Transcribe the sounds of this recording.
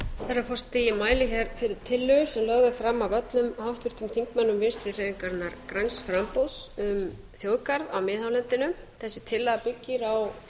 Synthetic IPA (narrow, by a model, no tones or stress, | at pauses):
θɛɾafɔr̥st̪imaːjlɪçɛɾfɪɾɪɾ̥t̪ʰɪlːʏsɛmlœɣðafɾamːawvœt̪nʏmhawht̪vʏɾ̥t̪ʏmθiŋkmɛnːʏmvɪ̥st̪ɾɪr̥eːviŋkaɾt̪naɾkɾajnsfɾampowsʏm | θjowðkaɾðawmɪːðhawlɛnt̪ɪnʏθɛsːɪt̪ʰɪlːaðapɪcːɪɾaw